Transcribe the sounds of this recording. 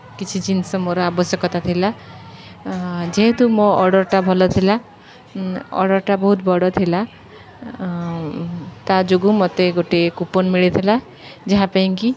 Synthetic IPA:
kit͡ʃʰit͡ʃinsɔmɔɾɔabɔsjɔkɔt̪at̪ʰila | d͡ʒeɦet̪umɔɔɽɔɾʈabʱɔlɔt̪ʰila | ɔ̰ɽɔɾʈabɔɦut̪bɔɽɔt̪ʰila | t̪ad͡ʒoɡumɔt̪eɡoʈekupɔnmiɭet̪ʰila | d͡ʒaɦãpaĩŋki

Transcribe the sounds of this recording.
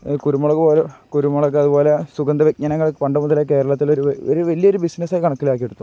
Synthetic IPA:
kuɾumːɐɭɐkːpoːlekuɾumːɐɭɐkːɨɐðubo̞ːlesuɡɐnd̪ɐʋek̚ɲɐnɐŋːɐɭpɐɳɖɐmuðɐleke̞ːɾɐɭɐt̪ːiloɾuoɾuʋɐlijɐo̞ɾubisnɐsaːjkɐɳɐkːilaːkːijeɽut̪ːu

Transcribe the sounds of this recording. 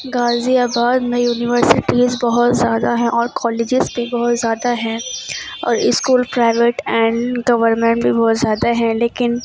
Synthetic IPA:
ɡaːziaːbaːd̪mẽjuːnɪʋəɾsɪʈizbɐɦʊt̪zjaːd̪aɦɛ̃ʔɔːɾkɔːleːd͡ʒɪzbʱibɔɦʊt̪zjaːd̪aɦɛ̃ | ɔ̰ːɾɪskuːlpɾaːɪʋeːʈɛ̃ːɳɖɡɐʋəɾmɛ̃ɳʈbʱibɔɦʊt̪zjaːd̪aɦɛ̃leːkɪn

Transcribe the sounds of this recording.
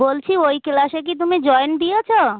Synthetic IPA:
olt͡ɕʰiojkelaʃek̬it̪̬umid͡ʑɔend̪ijet͡ɕʰo

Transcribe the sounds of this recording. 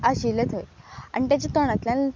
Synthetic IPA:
aɕilet̪ʰəja̰ñit̪at͡ɕet̪oɽ̃at̪ljãn

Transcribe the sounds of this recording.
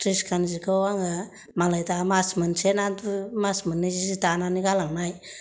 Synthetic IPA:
tɾiskʰanzikəwaŋɡa | malajdamasmənsenatumasmənːizizitananiɡalaŋnaj

